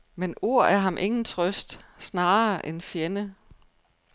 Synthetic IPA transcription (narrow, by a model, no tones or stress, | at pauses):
meno̝ɐ̰æɐɦɑ̈mʔe̝ŋn̩t͡sʰʁœsd̥snɑ̈ːʔenfjenə